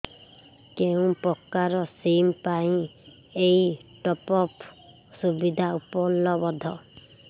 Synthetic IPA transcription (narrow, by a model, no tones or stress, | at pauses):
keũpɔkːaɾɔsimpaĩ | eiʈɔpɔp | subid̪ʱaupɔlːɔbɔd̪ʱɔ